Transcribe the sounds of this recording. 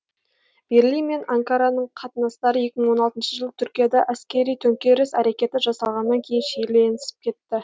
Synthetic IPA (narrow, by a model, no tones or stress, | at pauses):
b̥e̞ɾlijnme̞naŋkaɾɑnəɴqʰɑt̪ənɑst̪ɑɾəje̞kʲɪməɴwo̞nɑlˠt̪ənʃəʒəlˠət̪ʰʏɾkʲijɑd̪ɑʔæskʲe̞ɾijt̪ʰɵŋkʲe̞ɾɪsæɾe̞kʲe̞t̪ɪʒɑsɑlˠʁɑnːɑŋkʲʰe̞jɪnʃejleenɪsɪ̥p̚kʲʰe̞t̪ːɪ